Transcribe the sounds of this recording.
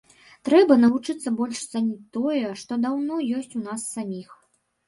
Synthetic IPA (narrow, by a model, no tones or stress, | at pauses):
t̪ɾɛbɐnɐvut͡ʂɨt̪sːɐbɔlʲʂt̪sanʲit̪ɔjɛʂt̪ɔd̪awnɔjɔsʲt͡sʲunasːamʲix